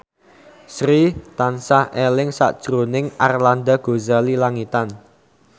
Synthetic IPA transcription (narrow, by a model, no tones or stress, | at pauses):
sɾit̪ansahʔelɪŋsa̰ʔd̥ʒ̥ɾonɪŋʔarland̪aɡ̥o̤zalilaŋit̪an